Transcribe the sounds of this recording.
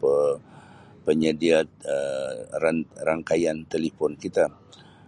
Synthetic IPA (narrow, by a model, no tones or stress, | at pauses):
pə | pəɲədiat̪̚əraraŋkajant̪elifɔnkit̪a